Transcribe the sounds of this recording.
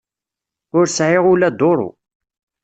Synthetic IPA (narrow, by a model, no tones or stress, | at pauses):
ʊɾsʕɪʁulæd̪oɾˤo̰